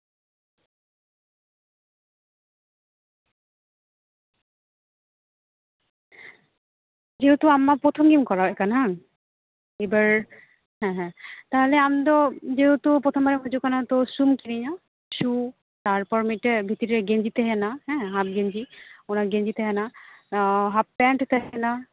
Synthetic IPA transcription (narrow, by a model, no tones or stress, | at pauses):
d͡ʒeɦot̪oamːapɾot̪ʰɔmɡimkɔɹaekana | ebaɹ | ɦɛ̃ɦɛ̃t̪aɦeleamd̪ɔd͡ʒeɦot̪opot̪ʰɔmbaɾemod͡ʒukanat̪osumkiniɲɔ | ʃu | t̪aɹpɔɹmiʈebʱit̪iɾieɡend͡ʒit̪eɦɛnaɦɛ̃ɦap̚ɡend͡ʑionaɡend͡ʑit̪eɦɛna | ɦapːɛɳʈt̪eɦɛna